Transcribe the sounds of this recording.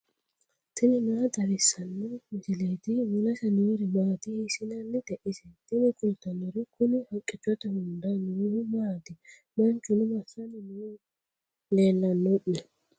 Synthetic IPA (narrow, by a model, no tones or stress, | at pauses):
t̪ʰɪnɪnɐɐd̪ɐɾɪsːɐnːɔmɪsɪleːt̪ɪmʊlɐsɐnʊʊɾɪmaːt̪ɪhɪsɪnɐnːɪt̪ɛʔɪsɛt̪ɪnɪkʼʊlt̪ɐnːɔɾɪkʊnɪhɐkʼːɪt͡ʃːɔt̪ɐhʊnd̪anɾʊmaːt̪ɪ | mɐnt͡ʃːʊnʊmɐsɐnɪnʊ | leːlːɐnːɔʔːɛ